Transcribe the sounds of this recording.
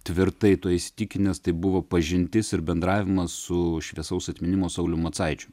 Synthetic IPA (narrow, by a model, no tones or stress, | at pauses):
t̪ʲʋʲɪɾt̪ɐɪt̪uisʲɪ̥t̪ʲiːkʲɪnʲeːst̪ɐɪbʊʋoːpɐʒʲɪnʲt̪ʲɪsɪɾbʲɛnd̪ɾɑːʋʲɪmɐssʊʃʲʋʲiɛsɐʊsɐt̪ʲmʲɪnʲɪmoːsɐʊlʲʊmɐt̪sɐɪt͡ʃʲʊ̥